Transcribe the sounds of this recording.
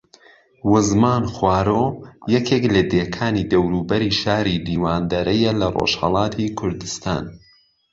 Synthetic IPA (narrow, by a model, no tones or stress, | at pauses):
wʊzmaːnxwaːɾoːjɐkʰeːklɐd̪eːkʰaːnid̪ɐwɾuːbɐɾiʃaːɾiliːwaːnd̪ɐɾɐjɐlɐro̰ʃhɐ̰lˠɑːt̪ʰikʰʊɾd̪ɨst̪a̰ːn